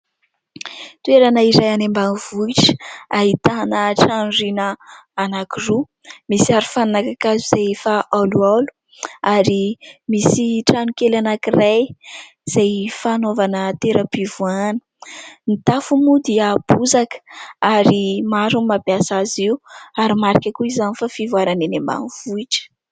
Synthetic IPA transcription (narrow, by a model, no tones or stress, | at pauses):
t̪ueɾanəiɾajanembaniv̥uiʈ͡ʂaɦit̪anəʈ͡ʂanrinəːnakiru | misiaɾufannakakazuzajfaʔalualu̥ | aɾimisiʈ͡ʂanukelanakiraj | z̥ajfanovanət̪eɾəpivuanə̥ | nit̪afumud̪iab̥uzakə̥aɾimaɾunmabjasaziuaɾimaɾikʲakuizanifafivuaɾanenemba̰nivuiʈ͡ʂə̥